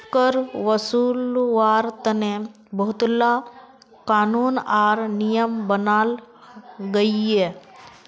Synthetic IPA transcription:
kəɾʋəsuːlʋaɾt̪əne | bəɦut̪la | kanuːnaɾnijəmbənal | ɡəje

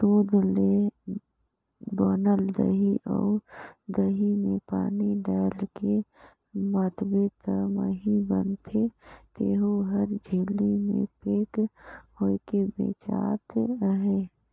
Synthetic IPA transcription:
t̪uːd̪ʱle | bɔːnəld̪ə̰ɦiʔɔ̰ːɾd̪əɦimẽpaːniɖaːlke | mat̪ʰbet̪əməɦibə̰nt̪ʰet̪eːɦuɦəɾd͡ʒʱeːlimḛ̃peːkhoikebḛːt͡ʃa̰ːt̪ɦe

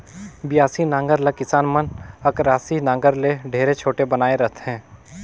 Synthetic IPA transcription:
bɪjaːsinãːŋɡəɾlekɪsaːnmənɐkɾaːsinãːŋɡəɾleɖʱeːɾet͡ʃʰoːʈebɐnaːeɾɐɦt̪ɦɛ̃ː

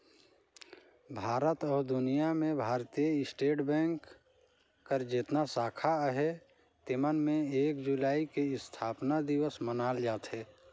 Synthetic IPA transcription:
bʱaːɾət̪ɔːɾd̪ʊnijamẽbʱaːɾt̪ijəɪsʈeːʈbɛ̃ːŋkː | əɾd͡ʒɪt̪nasaːkʰaɦɛ | t̪ɪmənmẽeːkd͡ʒulaːikeɪst̪ʰaːpnad̪ɪwəsmənaːld͡ʒaːt̪ɦɛː

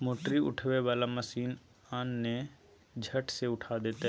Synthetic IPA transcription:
moːʈɾiʊ̰ʈʰʋeʋaːlaməsiːn | aːnːẽ | d͡ʒʱəʈseʊʈʰad̪eːt̪e

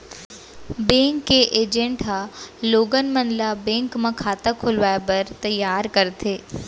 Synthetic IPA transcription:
bẽːŋkːeʔeːd͡ʒẽɳʈɦaloːɡənmɐnlabẽːŋkmãkʰaːt̪akʰʊlʋaːepɐɾt̪ɐjaːɾkɐɾt̪ʰeː

